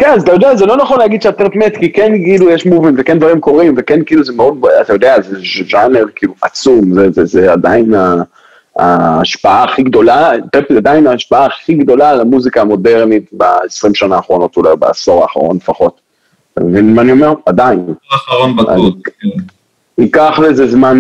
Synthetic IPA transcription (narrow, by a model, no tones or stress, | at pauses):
kenazat̪ajo̞d̪eazelo̞naχo̞nleaɡid̪ʃeat̪eʁetmet̪kikenkiːlujeʃmuvinvekend̪vaʁimko̞ʁimvekenkiiːluzemeo̞d̪̚bat̪ajo̞d̪eazeʒaneʁkiiːluʔat͡sumzezezead̪aina | aːʃpaaːχiɡd̪o̞lateplad̪ainaːʃpaaːχiɡd̪o̞lalamuzikaːmo̞deʁnit̪ba̰esʁimʃanaːχʁo̞no̞tulajba̰a̰so̞ʁaːχa̰ʁo̞̰nlefaχo̞t | ta̰mevinmaːnio̞meʁad̪ainoa̰i | ikaχlezezman